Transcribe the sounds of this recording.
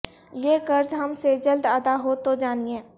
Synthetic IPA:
jeːkəɾd͡ʒɦəmsed͡ʒəld̪əd̪aɦoːt̪od͡ʒaːniẽː

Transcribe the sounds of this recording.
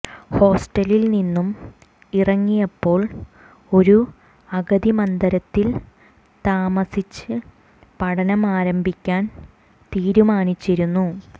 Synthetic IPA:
ho̞ːsʈɐlilninːum | irɐŋːijɐpːo̞ːɭ | o̞ɾu | ɐɣɐðimɐnd̪ɐɾɐt̪ːil | t̪aːmɐsit͡ɕːɨ | pɐɽɐnɐmaːɾɐmbʱikʲːaːn | t̪iːɾumaːnit͡ɕːiɾunːu

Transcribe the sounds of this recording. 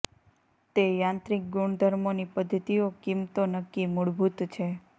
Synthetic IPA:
t̪ejãnt̪ɾik̚ɡuɳd̪ʱəɾmonipəd̪ʱːət̪iokimt̪onəkːimuɭbʱut̪t͡ʃʰe

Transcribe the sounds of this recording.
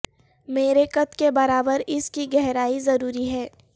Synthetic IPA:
meːɾekɐt̪kebɐɾaːbəɾɪskiɡɛɦɾaːizɐɾuːɾiɦɛː

